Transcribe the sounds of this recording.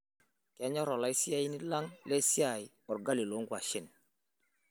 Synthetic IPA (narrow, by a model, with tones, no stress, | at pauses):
ka˨˦ɲɔ˦ɾɔ˨la˨˦i˦si˦a˦ji˦ni˦la˦ŋle˦si˦a˨j | ɔ˨ɾɡa˦li˨lo˦ŋɡwa˨ʃi˦˨n